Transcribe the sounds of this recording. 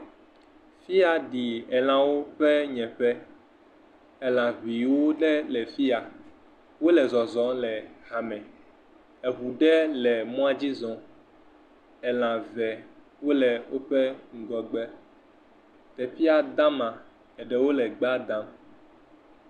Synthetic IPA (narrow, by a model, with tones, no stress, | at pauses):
fi˦a˨ɖi˨ɛ˨l̃ã˨wo˦ɸɛ˦ɲɛ̃˨ɸɛ˦ | ɛ˨lã˨ɦi˨wo˦ɖɛ˦lɛ˨fi˦a˨ | wo˦lɛ˨zɔ˨zɔ̃˨lɛ˨ɣa˨mɛ̃˨ | ɛ˨ɦu˨ɖɛ˦lɛ˨mɔ̃˦a˦d͡ʑi˦zɔ̃˨ | ɛ˨lã˨vɛ˨ | wo˦lɛ˨wʔo˦ɸɛ˦ŋ̩˨ɡɔ˨ɡ͡bɛ˦ | t̪ɛ˨fi˦a˨d̪ã˦mã˨ | ɛ˨ɖɛ˨wo˦lɛ˨ɡ͡ba˦d̪ã˦m